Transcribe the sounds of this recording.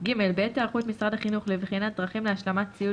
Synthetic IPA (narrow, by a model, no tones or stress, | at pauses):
ɡime̞lbeet̪eaʁχuet̪misʁad̪aχinuχlevχinat̪̚d̪ʁaχimleaʃlamatt͡siu